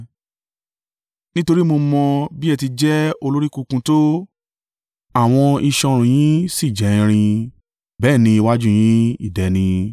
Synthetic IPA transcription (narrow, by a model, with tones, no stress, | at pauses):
nĩ˦to˧ɾi˦mo˧mɔ̃˧bi˦ɛ˧ti˧d͡ʒɛ˦o˧lo˦ɾi˦kũ˦˧kũ˧to˦ | a˦˨w̃ɔ̃˧i˧ʃɔ̃˧ɾ̃ũ˨j̃ĩ˦si˦˨d͡ʒɛ˨ĩ˧ɾ̃ĩ˧ | bɛː˦˨nĩ˧i˧wa˦d͡ʒu˦j̃ĩ˦i˦˨dɛ˨nĩ˧